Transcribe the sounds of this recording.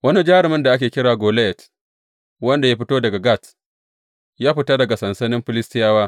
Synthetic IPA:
wɐ˦ni˦d͡ʒaː˦ɾɪ˨mɪ˦nda˨ʔa˦kʲeː˨kʲɪ˦ɽaː˨ɡoː˨le˦jɛ˨t | wɐ˦nda˨ja˦ɸɪ˦toː˦dɐ˨ɡa˨ɡa˦˨t | jaː˦ɸɪ˦ta˦dɐ˨ɡa˨sɐ˨nsɐ˦nɪ˦mɸɪ˦lɪ˦stɪ˦jaː˦waː˦

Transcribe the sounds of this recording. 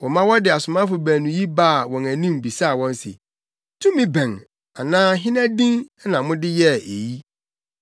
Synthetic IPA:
wɔ̃˨mã˦wɔ˦dɪ˨a˨sʊ˨mã˦fʊ˨bæ̃˨nʊ̃˨ji˦ba˦˨wɔ̃˨næ˨nĩ˦mbi˨sa˦˨wɔ̃˦n˦sɪ̰˨ | tʰũ˦mĩ˦bæ̃˨ŋ | a˨nãː˦ɦɪ̃˦næ̃˦dĩ˦ŋ˦nã˨mʊ̃˦dɪ˦jɛ˦e˨ji˦

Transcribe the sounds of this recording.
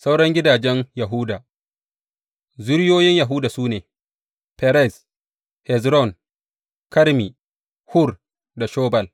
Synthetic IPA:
sa˦wɽɐ˦ŋɡʲɪ˦daː˨d͡ʒɛ˦nja˨ɦʊ˦da˨ | zʊ˦ɽjoː˦jɪ˦ɲja˨ɦu˦daː˨suː˦neː˨ | pɛ˨ɾɛ˦˨s | hɛ˨zɾɔ˦˨n | kɐ˦ɾmi˨ | hʊ˦r | da˨ʃoː˦bɐ˨l

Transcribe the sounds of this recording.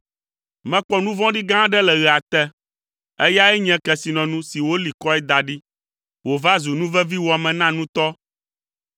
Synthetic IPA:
mɛ̃˨k͡pɔ˦nũ˦vɔ̃˦ɖi˦ɡã˦ɖɛ˦lɛ˨ɣɛ˨a˨t̪ɛ˦ | ɛ˦ja˦ɛ˦ɲɛ̃˦kɛ˨si˨nɔ̃˨nũ˦si˨wo˦li˨kɔ˦ɛ˦d̪a˨ɖi˦ | wo˨va˦zu˨nũ˦vɛ˦vi˦wo˨a˨mɛ̃˨nã˦nũ˦t̪ɔ˦

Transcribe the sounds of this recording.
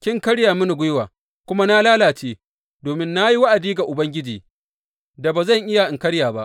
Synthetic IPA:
kʲɪ˦ŋkɐ˦ɽjaː˨mʊ˦ni˨ɡʷʊ˦jwaː˨ | kʷʊ˦ma˦na˦laː˦laː˨t͡ʃeː˦ | doː˨mɪ˦nːa˦ji˦wa˦ʔa˨diː˦ɡa˨ʔʊ˨bɐ˦ŋɡʲɪ˦d͡ʒiː˨ | da˨baː˨zɐ˦˨ŋʔɪ˦ja˨ʔɪ˨ŋkɐ˦ɽjaː˨ba˦ʔ

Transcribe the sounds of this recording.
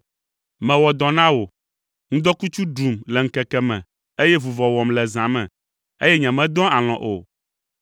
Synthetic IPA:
mɛ̃˨wɔ˨d̪ɔ̃˨nã˦wo˨ | ŋũ˦d̪ɔ˦ku˦t͡ʃu˦ɖu˨mlɛ˨ŋ̩˨kɛ˨kɛ˨mɛ̰̃˨ | e˦jɛ˦vu˨vɔ˨wɔ˨mlɛ˨zã˨mɛ̰̃˨ | ḛ˦jɛ˦ɲɛ̃˨mɛ̃˨d̪ɔ̃˦a˨l̃ɔ̰̃˨ʔo̰˨

